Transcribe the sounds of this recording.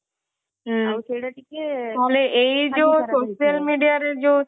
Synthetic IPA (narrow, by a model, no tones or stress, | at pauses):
ɦ | aleʔeid͡ʒosoːʃijəlmiːɖijaɾed͡ʒo